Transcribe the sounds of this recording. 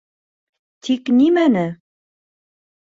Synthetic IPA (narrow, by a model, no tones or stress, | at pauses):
t̪ʰiknimænɘ